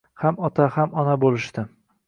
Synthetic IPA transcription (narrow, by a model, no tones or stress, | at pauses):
hamɒt̪ʰahamɒnabolɪʃt̪ɪ